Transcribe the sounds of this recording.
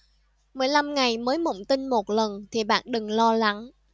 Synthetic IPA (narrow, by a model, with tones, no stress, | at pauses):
mɨ˨˩əjla˧mŋa˨˩jməː˨˦jmə̰˧˨wŋ͡mt̪ï˧nmo˨˩t̚lə˨˩nt̪ʰi˨˩ɓa̰ː˧˨nɗɨ˨˩ŋlɔ˧la˨˦ŋ